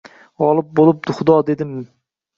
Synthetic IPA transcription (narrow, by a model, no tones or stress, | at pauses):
ɒlˠɪp̚bolˠɪp̚d̪ʊχʊd̪ɒd̪e̞d̪ɪm